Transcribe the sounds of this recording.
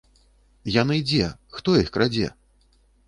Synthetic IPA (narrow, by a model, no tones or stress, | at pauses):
janɨd͡zʲɛxt̪ɔjixkɾad͡zʲɛ̰